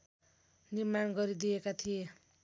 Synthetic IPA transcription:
nirmanɡʌɾid̪iekat̪ʰije

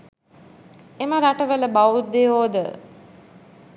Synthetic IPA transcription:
eməɾaʈəʋələbaʋut̪̚d̪eɦoːd̪ə

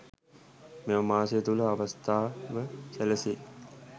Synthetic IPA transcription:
meʋɐmaːsejət̪uləaʋɐst̪aːʋəsæləse

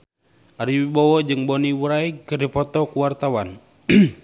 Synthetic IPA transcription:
aɾiwibɔwɔd͡ʒɨŋbɔniwəɾaikərdipɔt̪ɔkuwart̪awan

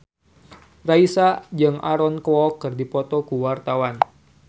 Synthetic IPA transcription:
raisad͡ʒɨŋaɾɔnkɔkɨrdipɔt̪ɔkuwart̪awan

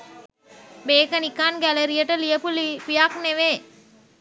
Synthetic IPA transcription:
beːkɐnikːaːnɡælɐɾijɐʈɐlijɐpulpijakneʋeː

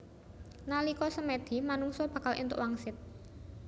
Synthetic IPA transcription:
nalikɔsəmed̪̥i̤manuŋsɔb̥ä̤kalʔḭnt̪ʊ̰ʔwaŋsɪt̪̚

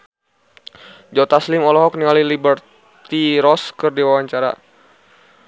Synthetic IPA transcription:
d͡ʒɔt̪aslimɔlɔɦɔk̚niŋalilibər | t̪iɾɔskərdiwawaɲt͡ʃaɾa̰

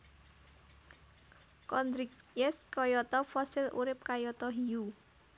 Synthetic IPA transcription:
kɔnd̪ɾik̚ | jɛskɔjɔt̪ɔfɔsɪlʔṵɾɪp̚kajɔt̪ɔɦiu

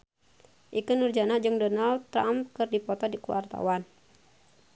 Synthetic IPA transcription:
ʔikɨnurd͡ʒanad͡ʒɨŋdɔnald̪̚t̪ːɾam̚kɨrdipɔt̪ɔdikua̰rt̪a̰wan

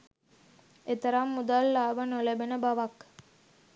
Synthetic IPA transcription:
et̪əɾamːud̪alːaːʋənolebenəbaʋɐk

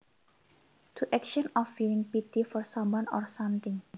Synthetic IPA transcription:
t̪ʰuʔɛkʃɔnɔfːiliŋpit̪ifɔrsãmwanɔrsamt̪ɪŋ

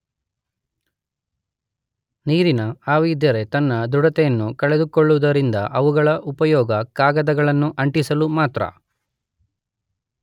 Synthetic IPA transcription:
niːɾinɐaːʋiːd̪jɐɾe̞t̪ɐnːɐd̪uɽɐt̪ɛjɐnːukɐɭed̪ukɔɭːuʋd̪ɐɾind̪ɐ̰ʔɐʋuɡɐɭɐʔupɐjɔːɡɐkaːɡɐd̪ɐɡɐɭɐnːuʔɐɳʈisɐlumaːt̪ɾɐ̰

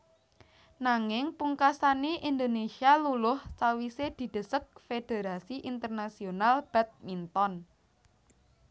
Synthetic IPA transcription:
naŋɪŋpuŋkasaniʔind̪onesialulʊhsawised̪̥i̤d̪̥ə̤sək̚fed̪̥e̤ɾasiʔint̪ərnasionalb̥a̤t̪̚mint̪ɔn

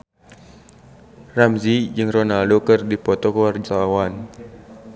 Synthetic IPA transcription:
ramzid͡ʒɨŋrɔnaldokɨrdipɔt̪ɔkuward͡ʒaawan

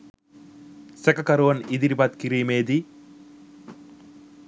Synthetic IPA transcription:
sɛkɐkɐɾuʋɐnid̪iɾibat̪kiɾiːmeːd̪i

